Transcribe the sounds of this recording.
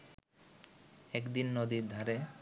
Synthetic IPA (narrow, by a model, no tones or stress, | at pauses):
ɛkd̪inːod̪id̪ʱaɾe